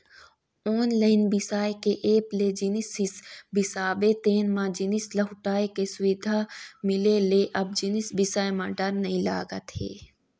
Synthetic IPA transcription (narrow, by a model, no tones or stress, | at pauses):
oːnləɪnbɪsaːjkeʔeːpled͡ʒɪnɪsɪsbɪsaːbet̪eːnmãd͡ʒɪnɪslɐɦʊʈaːekesʊʋɪd̪ʱamɪleleʔɐb̚d͡ʒɪnɪsbɪsaːjmãɖɐɾnɐĩla̰ːɡat̪ḛː